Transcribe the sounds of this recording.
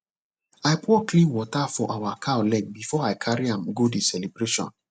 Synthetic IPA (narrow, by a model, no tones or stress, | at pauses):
aɪpɔklĩnwɔtafɔʔawakʰaɔlɛɡ̚bifɔaɪkʰaɹiãmɡodesɛlibɾeʃɔ̰̃n